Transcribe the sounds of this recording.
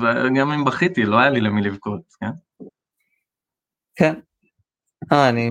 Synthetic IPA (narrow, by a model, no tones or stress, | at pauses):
veɡamimbaχit̪iloajalilemilivkot̪ken | ken | aani